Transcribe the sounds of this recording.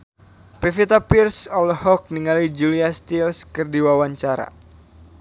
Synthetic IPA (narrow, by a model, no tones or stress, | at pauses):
pefit̪apirsɔlhɔk̚niŋalid͡ʒuliast̪ilskərdiwawaɲt͡ʃaɾa̰